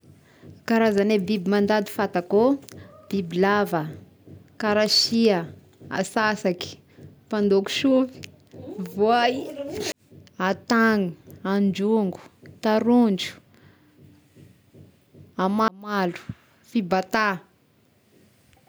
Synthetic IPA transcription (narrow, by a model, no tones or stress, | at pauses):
kaɾazanebibimand̪ad̪i̥fat̪akob̥ibilavə | kaɾaʃiə | a̰sasaki̥ | pand̪oku̥ʃuvi̥ | voaj | at̪aŋuand͡ʒuŋɡu̥t̪aɾund͡ʒu̥ | amamalu̥ | fibat̪a